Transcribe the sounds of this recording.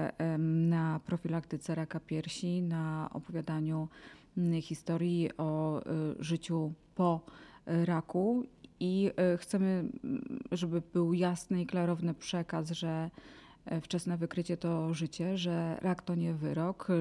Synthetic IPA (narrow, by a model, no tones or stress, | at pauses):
napɾɔfʲilakt̪ɘt̪sɛɾakapʲjɛɾɕinaɔ̰pɔvʲjad̪aɲu | xʲist̪ɔɾjiʔɔ | ʐɘt͡ɕupɔ | ɾakuixt̪sɛmɘ | ʐɛbɘbɘwjasnɘiklaɾɔvnɘpʂɛkasʐɛ | ft͡ʂɛsnɛvɘkɾɘt͡ɕɛt̪ɔʐɘt͡ɕɛʐɛɾʔakt̪ɔɲɛvɘɾɔk